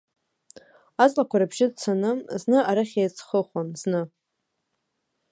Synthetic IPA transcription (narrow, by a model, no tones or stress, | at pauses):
at͡sʼlakʷʰaɾabʒɪdt͡sʰanɨznɨaɾaχʲejt͡sʰχəχʷanznɨ